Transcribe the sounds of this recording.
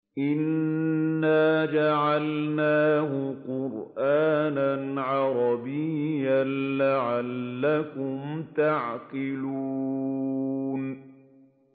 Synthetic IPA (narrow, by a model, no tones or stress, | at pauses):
ʔɪnː | aːd͡ʒaʕalnaːhʊqʊɾʔaːnanʕɑɾˤɑbɪjːanlaʕalːakʊmt̪aʕqɪluuː | n